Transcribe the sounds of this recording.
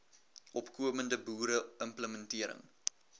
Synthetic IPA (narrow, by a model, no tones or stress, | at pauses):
ʔɔpkuəməndəbuːɾəʔəmpləməntiəɾə̰ŋ